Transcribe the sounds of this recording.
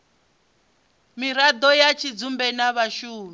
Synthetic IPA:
miɾad̪ɔjat͡ʃʰid͡zumbɛnaβaʃuːmi

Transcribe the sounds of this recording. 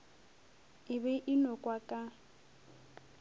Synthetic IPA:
ɪbɛʔɪnɔkʼwakʼa

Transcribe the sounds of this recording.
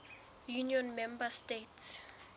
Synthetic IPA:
juniɔnmɛmbastets

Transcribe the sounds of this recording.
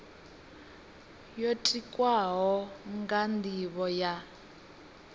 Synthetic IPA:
jotʼikʼwaɦɔŋɡandiβɔja

